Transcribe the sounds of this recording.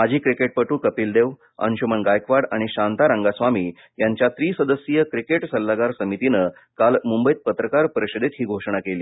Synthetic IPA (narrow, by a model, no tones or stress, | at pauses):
ad͡ʑʱiːkɾikeʈ̚pəʈuːkəpiːld̪eʋ | ə̰nɕumənɡajkʋaɽaɽ̃iɕant̪aɾaŋɡasʋamiː | jaɲt͡ɕjat̪ɾiːsəd̪əsjəkɾikeʈsəlːaɡaɾsəmit̪inə | kalmumbəjit̪̚pət̪ɾəkaɾpəɾiɕəd̪et̪ɦiːɡʱoʂɳ̃akeliː